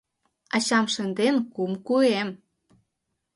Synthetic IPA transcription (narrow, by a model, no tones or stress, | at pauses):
ɑɕɑmʃə̆nd̪enkumkuem